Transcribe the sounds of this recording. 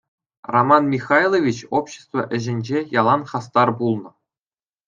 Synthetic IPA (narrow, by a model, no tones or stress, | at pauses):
romɑnmʲixɑjlˠovʲit͡ɕopɕĕ̥st̪vɤ̰̆ʔɘ̆ʑɘ̆nʲd͡ʑejɑlˠɑnχɑst̪ɑrbulˠnɤ̆